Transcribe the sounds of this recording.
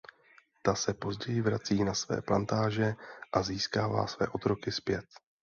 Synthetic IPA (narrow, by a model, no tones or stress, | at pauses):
t̪asɛpo̞zɟɛjɪvɾat͡siːnasvɛ̰ːplant̪aːʒɛʔaziːskaːva̰ːsvɛ̰ːʔo̞t̪ɾo̞kɪspjɛt̪